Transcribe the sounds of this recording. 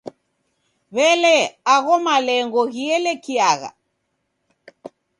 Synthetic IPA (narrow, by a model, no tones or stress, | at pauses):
βɛlɛaɣɔmalɛŋɡɔɣiɛlɛkiaɣa̰